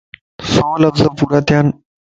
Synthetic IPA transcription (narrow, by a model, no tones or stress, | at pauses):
sɔːlɐfzəpuːɾat̪jan